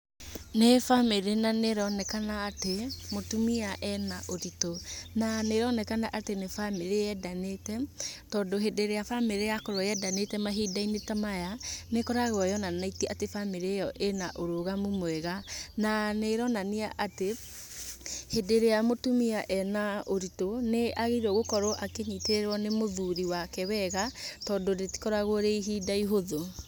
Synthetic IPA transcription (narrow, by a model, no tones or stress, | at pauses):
nefameɾenaneɾɔnɛkanaːtemotumiaʔɛnaʔoɾitonaneɾɔnɛkanaʔatenefameɾeɛdanetɛtɔːdoɦedeɾeafameɾejakɔɾwjɛdanetɛmaɦidainetamajanekɔɾaɣɔjɔnanaitɛʔatefameɾejɔʔenaʔoɾoɣamomwɛɣananeɾɔnaneaʔate | hedeɾeamotumiaʔɛnaoɾitoneaɣeiɾɔɣokɔɾɔʔakeɲiteɾeɾwɔnemoðuɾiwakɛwɛɣatɔːndoɾeti̥kɔɾaɣoɾeiɦidaiɦoðo